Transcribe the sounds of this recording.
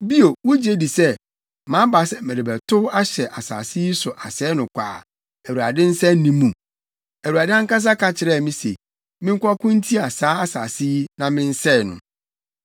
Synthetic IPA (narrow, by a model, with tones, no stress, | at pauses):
bi˦o˨wʊ˦d͡ʑe˦di˨sɛ˦ | mã˨˦ba˨sɛ˨mæ̃˨ɾɪ˨bæ˨tʰʊ˦a˦ɕɛ˨ʔa˨sa̰ː˨si˦sʊ˨ʔa˨sɛː˨˦nʊ̃˨kʷʰa̰ː˨ | æ˨wu˨a˨dɪ̃˦n̩˦sɛ˦nĩ˦mũ˨ | æ˨wu˨ɾa˨dɪ˦ã˦ŋ˦ka˦s̬a˦kʰa˨t͡ɕʰɪ˨ɾɛ˦˨mĩ˦se˨ | mɪ̃˦ŋ̩˦kʷɔ˦kʊ̃˦n˦tʰi˦a˨saː˨˦a˦saː˨si˦nã˨mɪ̃˦n̩˦sɛ˦˨nʊ̰̃˨